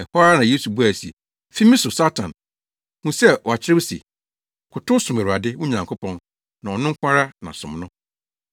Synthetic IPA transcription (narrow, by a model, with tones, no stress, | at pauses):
ɛ˨hɔ˦a˦nã˨je˦su˨bu˦a˨si˨ḛ˨ | fi˦mĩ˦sʊ˨sa˦tʰã̰˨n | hũ˦sɛ˦wɔ˨a˨t͡ɕʰɪ˦ɾɪ˦bsḛ˨ | kʰʊ˨tʊ˦sʊ̃˨mæ˨ɾu˨a˨dɪ˦wu˦ɲã˨ŋkʰʊ˦pʰɔ̃˦n | nã˨ɔ˨nʊ̃˦ŋ̩˦kʷʰã˦ɾa˦nã̰˨sʊ̰̃˨mnʊ̃˦